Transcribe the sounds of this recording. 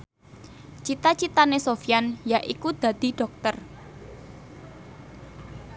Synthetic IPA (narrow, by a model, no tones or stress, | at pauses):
t͡ʃit̪at͡ʃit̪anesofijanjaʔikud̪̥ä̤d̪̥i̤ɖ̥ɔ̤k̚t̪ər